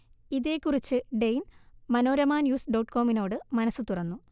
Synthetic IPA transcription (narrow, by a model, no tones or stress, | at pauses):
iðe̞ːkːurit͡ɕːɨɖejnmɐno̞ːɾɐmaːnjuːsɖoːʈko̞ːmino̞ːɽɨmɐnɐsːɨt̪urɐnːu